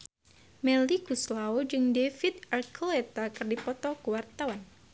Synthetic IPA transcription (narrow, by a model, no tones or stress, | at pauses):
mɛlikuslaod͡ʒɨŋdefit̪̚arkʰəlet̪akɨrdipɔt̪ɔkuwart̪awan